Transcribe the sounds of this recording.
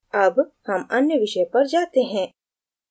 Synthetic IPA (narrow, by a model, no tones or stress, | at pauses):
ɐbhɐmɐnjəʋiʃɐjəpɐɾd͡ʒaːt̪eɦɛ̃